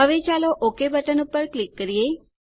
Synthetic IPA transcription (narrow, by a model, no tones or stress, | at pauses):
əʋet͡ʃaloʔokebəʈənupəɾklikːəɾije